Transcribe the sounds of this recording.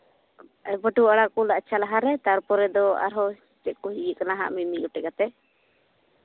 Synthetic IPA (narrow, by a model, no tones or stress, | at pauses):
bəʈuaɽaʔkulaʔt͡ʃʰalaɦaɾɛt̪aɾpɔɾɛd̪ɔa̰ɾɦɔ | t͡ʃɛʔ̪̚kɔɦijəʔkanaɦa̰ʔmimiʔuʈɛkat̪ɛ